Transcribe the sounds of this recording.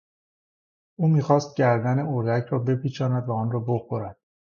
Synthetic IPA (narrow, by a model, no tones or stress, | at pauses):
ʔuːmiːxɒːst̪̚ɟæɾd̪æneoɾd̪æcʰɾɒːbe̞pʰiːt͡ʃʰɒːnæd̪væɒːnrɒːbo̞xoɾæd̪̥